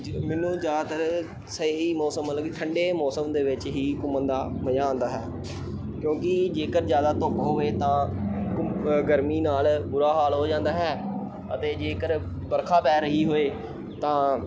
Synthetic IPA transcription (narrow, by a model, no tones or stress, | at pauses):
mɪnũːd͡ʒjaːd̪at̪əɾ | səiːmɔːsəmːəlləkiʈʰəɳɖeːmɔːsəmd̪eːʋɪt͡ʃɦiːkʊmənd̪aːməjãːõːnd̪aːɦɛː | kjõːkɪd͡ʒeːkəɾd͡ʒjaːd̪aːt̪oːpɦoːeːt̪ãːkʊɡəɾmiːnaːlbʊɾaːɦaːlɦoːd͡ʒãːnd̪aːɦɛː | ə̰t̪eːd͡ʒeːkəɾ | bəɾkʰaːpɛːɾəɦiːɦoːeː | t̪ãː